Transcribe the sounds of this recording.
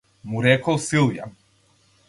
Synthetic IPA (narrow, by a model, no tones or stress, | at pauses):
muɾɛkɔsilˠja̰